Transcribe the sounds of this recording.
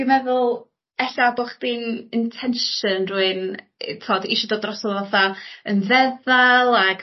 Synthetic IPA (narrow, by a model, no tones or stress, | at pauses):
ɡəmɛðʊlˠ | ɛɬabɔχd̥iːnɪntʰɛnʃənruɨn | tʰoːdiʃɔdodrɔsɔðˠvɔθaənvɛðalˠaɡ